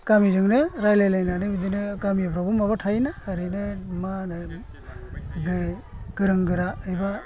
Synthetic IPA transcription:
kamizɯŋnɯɾajlajlajnanɯbidinɯkamipʰɾɔbumabatʰajnaːɾɯnɯmanɯ | ɡɯɡ̥ɯɾɯŋɡɯɾaɯjba

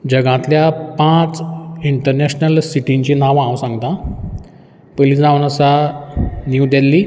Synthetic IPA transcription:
d͡ʑəɡãt̪ljapãt͡siɳʈəɾnɛɕnəlsiʈiɲt͡ɕiːnaʋãwsãŋɡt̪ã | pəlisd͡zãunəsa | niud̪elːi

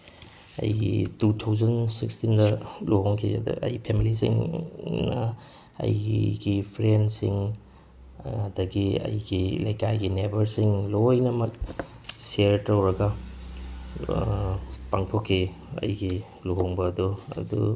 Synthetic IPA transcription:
ɐ̰jɡḭtutʰawzɐnsikstindɐluɦoŋkʰḭd̰ʔɐ̰jpʰemilisḭŋnɐ | ɐ̰jɡipʰɾensiŋ | dɐɡiɐ̰jɡilɐjkajɡinebɐɾsiŋlojnɐmɐk̚ | seɾtɾɐwɾɐɡɐ | paŋtʰokʰːi | ɐ̰jɡi | luɦoŋbɐːd̪uɐ̰dṵ

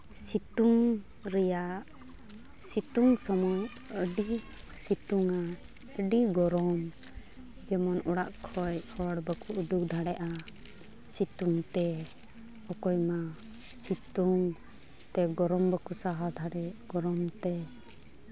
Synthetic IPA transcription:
sit̪uŋ | ɾɛjaʔ | sit̪uŋsɔmɔ | əɖi | sit̪uŋa | əɖiɡɔɾɔm | d͡ʒɛmɔnɔɽaʔkʰɔjhɔɽbəkuːd̪uk̚d̪ʱaɽɛʔa | sit̪uŋt̪ɛ | ɔkɔjma | sit̪uŋ | t̪ɛɡɔɾɔmbəkusaɦad̪ʱaɽɛɡ̥ɔɾɔmt̪ɛ

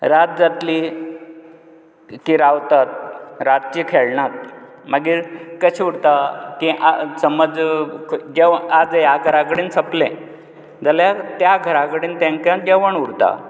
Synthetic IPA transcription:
ɾat̪̚d͡zat̪li | kiɾaʋt̪at̪̚ɾat̪̚t͡ɕikʰeɭɳat̪̚ | məɡiːɾkəɕuɽt̪akiʔasəməd͡z | d͡ʑeʋad͡zjaɡʱəɾakəɽiːnt͡sʰəplɛ̃ | d͡zaljat̪jaɡʱəɾãkəɽiːnt̪ãŋkjãd͡ʑeʋəɳuɽt̪a̰

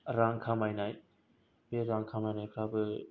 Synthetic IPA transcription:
ɾaŋkʰamajnaj | b̥eɾaŋkʰamajnajkʰɾabɯ

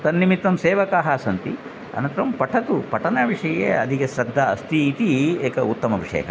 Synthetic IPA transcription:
t̪ɐnːimit̪ːɐmseːʋɐkaːɦaːsɐnt̪i | ɐ̰nɐnt̪ɐɾɐmpɐʈʰɐt̪upɐʈʰɐnɐʋiʂɐjḛːɐd̪iɡesɾɐd̪ʱːɐɐ̰st̪iːt̪ieːkɐut̪ːɐmɐʋiʂɐ̰jɐ̰kɐ̰

